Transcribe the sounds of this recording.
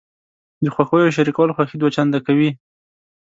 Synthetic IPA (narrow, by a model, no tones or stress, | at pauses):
d̪əxwaxojoʃ̬aɾikawalxwaxid̪wat͡ʃand̪akawi